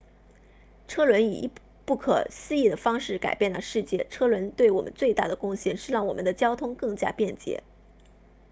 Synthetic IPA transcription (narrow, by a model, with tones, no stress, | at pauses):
ʈ͡ʂʰɤ˥lwə˧˥nḭ˨˩˧ | pu˥˩kʰɤ̰˨˩ɕ̩˥˧i˥˩d̪ə˩fɑ˥ŋʂɻ̩˥˩ka˨˩ɪpjɛ˥˩nlə˧ʂɻ̩˥˧t͡ɕjɛ̰˥˩ʈ͡ʂʰɤ˥lwə˧˥nt̪we˥˩ɪwɔ˨˩mə̰˦nt͡swe˥˧ɪt̪a̰˥˩d̪ə˩kʊ˥˧ŋɕjɛ˥˩nʂɻ̩˥˧ɻɑ˥˩ŋwɔ˨˩mə̰˦nd̪ə˧˦t͡ɕjɑ˥ʊt̪ʰʊ˥ŋkɤ˥˩ŋt͡ɕja̰˥pjɛ˥˩nt͡ɕjɛ̰˧˥